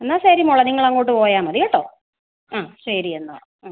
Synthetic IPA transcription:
enːaːsaːɾimoɭɐniŋːɐɭɐŋːoːʈ̬ːɨpo̞ːjaːmɐðiɣeʈːo̰ː | aːɕɐɾienːa̰ː

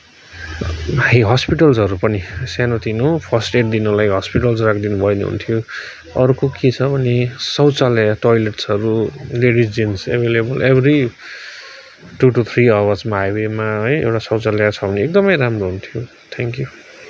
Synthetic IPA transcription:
aiɦʌspiʈʌlsɦʌɾupʌnisanot̪inopʰʌsʈeʈd̪inʌlajɦʌspiʈʌlsrakʰd̪inubʱʌjneɦṵnt̪ʰijo | ʌɾukoket͡sʰʌbʱʌnesʌwt͡saljaʈojleʈsʌɾuleɽisd͡zinsḛbʱelebʌlebʱri | ʈuʈut̪ʰriʌwʌd͡zmajwemaɦʌjḛwʈasʌwt͡saljat͡sʰʌbʱʌneek̚d̪ʌmʌjɾamroɦunt̪ʰijo | t̪ʰeŋkju

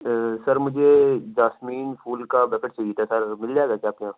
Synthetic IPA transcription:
sɐɾmʊd͡ʒʱed͡ʒaːsmiːnfʰuːlkabɛːkəʈt͡ʃaɦiet̪ʰasɐɾmɪld͡ʒaeːɡakjaːpkeãː

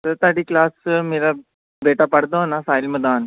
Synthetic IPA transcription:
t̪əɾt̪aɽiːklasmila | beʈapaɽt̪onasajlməd̪aːn

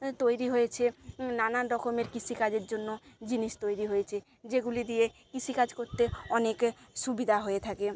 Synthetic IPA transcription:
t̪ojɾiɦojet͡ɕʰenanaːɔkomeɾkit͡ɕʰikad͡ʑeɾd͡ʑonːod͡ʑiniʃt̪ojɾiɦojet͡ɕʰe | d͡ʑeɡulid̪ijekit͡ɕʰikad͡ʑkoɾt̪eɔnekʃubid̪ʱaɦoet̪ʰake

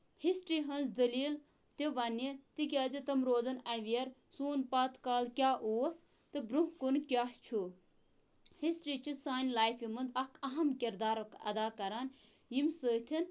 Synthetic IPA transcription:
hisʈɾiːɦɐnzd̪ɐliːl | t̪eʋɐnit̪ik̬ʲaːd̪it̪ɐmɾoːd̪ɐnɐʋijɐɾsuːnpaːt̪kaːlkʲaːʔuːs | t̪ɨbɾuɦkunkʲaːht͡ʃʰu | hisʈɾiːt͡ʃʰisaːnʲlaːjfimɐnd̪ɐkʰɐɦɐmkʲiɾd̪aːɾɐkɐ̰d̪aːkɐɾaːn | jimʲsəːt̪ʰin

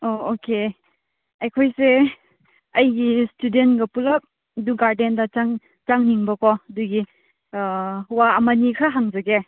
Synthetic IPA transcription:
ooke | ɐjkʰojse | ɐjɡistudentɡɐpulɐk̚ | duɡaɾdendɐt͡ʃaŋ | t͡ʃaŋniŋbɐkɔduɡi | waːmanikʰaɦaŋzɐɡe

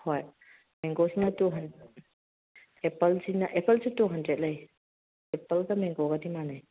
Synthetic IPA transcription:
hoj | meŋɡosinɐtuɦɐnde | epɐlsinɐʔepɐlsutuɦɐndɾet̚lɐj | epɐldɐmeŋɡoɡɐdimanɐj

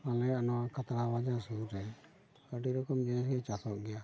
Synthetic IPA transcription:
alɛanɔwakat̪ɾabad͡ʒasuɾɛ | kəʈiɾɔkɔmd͡ʒɛsɡɛt͡ʃat̪ʰɔʔɡɛja

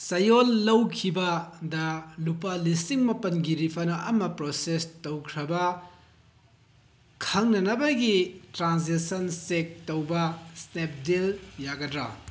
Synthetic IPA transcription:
sɐjolːɐwkʰibɐdɐlupalisiŋmɐpɐnɡiɾipʰɐnɐmɐpɾosestowkʰɾɐbɐ | kʰɐŋnɐnɐbɐɡitɾansisɐnsek̚towbɐsnep̚deljaɡɐdɾɐ

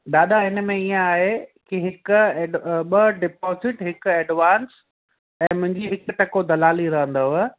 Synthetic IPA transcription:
ɗaːɗ̪aɪnəmẽiẽaːɦekiɦɪkʊɓɐɖɪpɔːzɪʈɦɪkɛːɖʋaːns | ɛ̃ːmʊ̃ɦɪ̃ɲd͡ʑiɦɪkʊʈɐkod̪ɐlaːliɾɐɦə̃nd̪oɦʊ

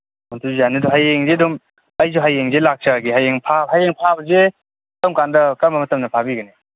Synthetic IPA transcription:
mɔntʰuzanɯdɔɦajeŋzedum | ajzuɦajːeŋzelak̚t͡ʃaɡiɦajeŋpʰahajeŋpʰabɐze | tamkandɐkambɐmɐtɐmnɐpʰabiɡɐne

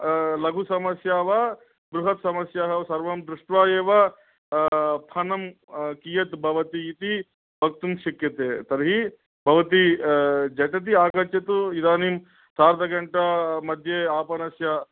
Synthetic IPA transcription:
lɐɡʱusɐmɐsjaːʋa | bɾuɦɐt̪sɐmɐsjaːɦɐsɐɾʋɐmd̪ɾuʂʈʋaːjeːʋɐ | pʰɐnɐm | kijɐt̪bʱɐʋɐt̪iːt̪i | bʱɐk̚t̪umʃikjɐt̪eːt̪ɐɾɦi | bʱɐʋɐt̪id͡ʒɐʈɐt̪̬iaːkɐt͡ʃjɐt̪uid̪aːnim | saːɾd̪ɐɡɐɳʈɐmɐd̪ʱjeaːpɐnɐsja

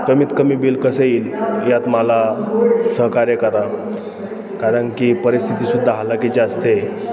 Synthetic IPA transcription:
kəmiːt̪kəmiːbilkəsəiːljat̪məlasəɦkaɾekəɾa | kaɾəɳkipəɾist̪ʰit̪iːsud̪ʱːaɦalakid͡ʑaəst̪e

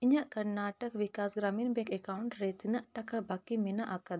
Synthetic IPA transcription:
iɲɐʔkɐɾnaːʈɐkʋikaːsɡɾaːmiːnbekekawɳʈɾet̪inɐʔʈɐkɐbɐkːiminɐʔɐkɐd̪

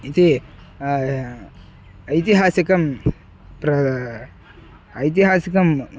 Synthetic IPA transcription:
it̪i | ɐjt̪iɦaːsikɐm | pɾɐ | ɐjt̪iɦaːsikɐm

